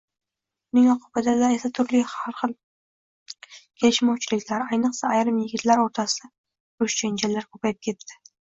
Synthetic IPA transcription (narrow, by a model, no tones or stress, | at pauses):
ʊnɪŋɒqʰʊbad̪ad̪ae̞sat̪ʰʊɾlɪhaɾχɨlˠ | kʲʰe̞lɪʃmɒwt͡ʃʰɪlɪkʲlaɾajnɨqsaːjɾɨmjɪɡʲɪt̪ʰlaɾoɾt̪ʰasɪd̪a | ʊʃt͡ʃʰand͡ʒalːaɾkʰɵpajɪp̚kʲʰe̞t̪ʰːɪ̥